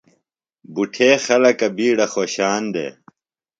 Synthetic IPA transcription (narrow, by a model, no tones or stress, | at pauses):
buʈʰeːxɐlɐkɐbiːɽɐxoːɕaːnd̪ḛ